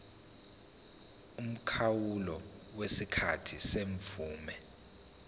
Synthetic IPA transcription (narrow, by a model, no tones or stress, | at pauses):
um̩kʰawulɔ | wesikʰatʰiseɱfuːmɛ